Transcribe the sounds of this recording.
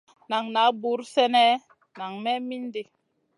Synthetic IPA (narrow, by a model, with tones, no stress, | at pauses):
na˨ŋna˨˦bu˨˦ɾfɛ˦nɛ˦ | na˨ŋmɛ˦mi˦n˦de˦